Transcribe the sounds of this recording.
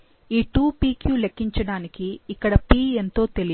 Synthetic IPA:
iːʈuːpiːkjuːlekːiɲt͡ʃɐɽaːnikiːkːɐɽɐpiːe̞nt̪o̞ːt̪e̞li

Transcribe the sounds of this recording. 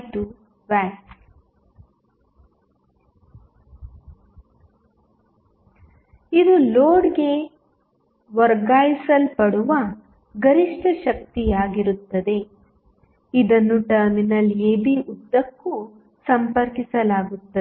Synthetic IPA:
ʈu | ʋaːks | id̪uloːɖɡe̞ | ʋɐɾɡaːjisɐlpɐɽuʋɐ | ɡɐɾiʂʈʰɐʃɐk̚t̪ijaːɡiɾut̪ːɐd̪e̞ | id̪ɐnːuʈɐɾminɐleːbiʔud̪ːɐkːu | sɐmpɐɾkisɐlaːɡut̪ːɐe

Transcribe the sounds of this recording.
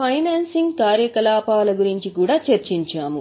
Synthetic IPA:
pʰɐjnaːnsiŋɡkaːɾjɐkɐlaːpaːlɐɡuɾiɲt͡ʃikuːɽaːt͡ʃɐɾt͡ʃiɲt͡ʃaːmu

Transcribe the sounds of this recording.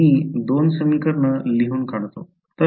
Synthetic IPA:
iːd̪onsəmikəɾɳəliɦuːnkaɳ̃t̪o̰ | t̪ə

